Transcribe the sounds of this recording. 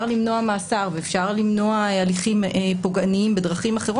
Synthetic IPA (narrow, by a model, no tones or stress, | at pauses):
ʁlimno̞amaːsaʁveefʃaʁlimno̞aaliχimepo̞ɡaniimbedʁaχimaχeʁo